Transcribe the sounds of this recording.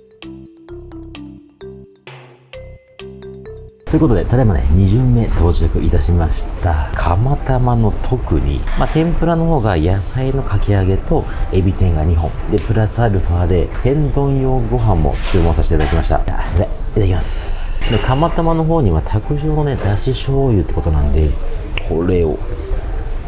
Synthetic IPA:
t̪o̞ji̟ko̞t̪o̞d̪e̞t̪at̪aebanḛɲ̟iʑɨmːe̞t̪ʰo̞ːd͡ʑiakɯ̟ʔit̪aɕimaɕi̥t̪akʰamat̪amano̞t̪ʰo̞kɯ̟ɲ̟ḭmat̪ẽ̞mpɯ̟ɾano̞ɦo̞ːɡajasaino̞kʰakʲiaɡe̞t̪o̞ | e̞bʲit̪ẽ̞ŋɡaɲ̟iɦõ̞ɴd̪e̞pɯ̟ɾasɨaɾɯ̟ɸaːd̪e̞t̪ẽ̞nd̪õ̞jo̞ːɡo̞ɦãmːo̞̰t͡ɕɨːmõ̞saɕi̥t̪ed̪akimaɕi̥t̪a̰a̰sod̪e | it̪aakʲimasɨ̥nekʰamat̪amano̞ɦo̞ːɲ̟iβat̪ʰakɯ̟ʑo̞ːno̞ned̪aɕiɕo̞ːjɯ̟t̪ːe̞ko̞t̪o̞nã̰nd̪e̞kʰo̞ɾe̞o̰

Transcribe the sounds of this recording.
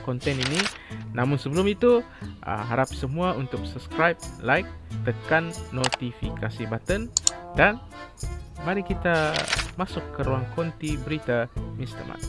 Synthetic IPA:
kɔnt̪ɛnini | namʊnsəbəlʊmit̪uʔə̰ɦaɾap̚səmuaunt̪ʊk̚suskɾajb̚lajk̚t̪əkanːot̪ifikasibat̪əndan | maɾikit̪amasʊkːəɾuaŋkɔnt̪ibəɾit̪amist̪ə̰ma̰t̪̚

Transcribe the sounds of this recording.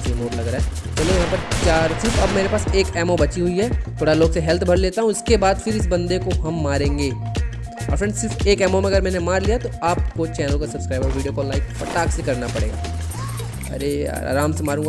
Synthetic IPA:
enoːɖlɐɡɾaːɦɛ | t͡ʃɐloːɡjɐɦãpɐɾt͡ʃaːɾsɪɾfɐbmeːɾepaːseːkɛːmobɐt͡ʃiɦʊiɦɛːt̪ʰoːɽaloːɡseɦɛlt̪ʰbʱɐɾleːt̪aɦũɪskebaːd̪fɪɾɪs̬bɐ̃nd̪ekoɦɐmːaːɾẽːŋɡeː | ɔ̰ːɾfɾɛ̃ɳɖsɪɾfeːkɛːmomẽɐɡəɾmɛːnemaːɾlijat̪oaːpkot͡ʃɛːnəlkasɐbskɾaːɪbɔːɾʋiːɖijokolaːɪkfɐʈaːksekɐɾnapɐɽḛːɡa̰ː | ɐ̰ɾḛa̰ːɾaːmsemaːɾũːŋɡ

